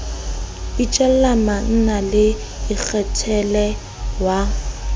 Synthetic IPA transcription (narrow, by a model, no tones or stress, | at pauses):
it͡ʃʼɛllaman̩nalɪ | ɪk͡xʰɛtʰɛlɛ | wa